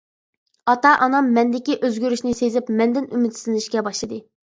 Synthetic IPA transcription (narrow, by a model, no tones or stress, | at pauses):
ɑt̪ɑʔɑnɑmːɛnd̪ɪkʲiʔøzɡʲyɾyʃnɪsezɪpmɛnd̪ɪnymɪt̪sɪlnɪʃkʲɛbɑʃlˠɨd̪ɨ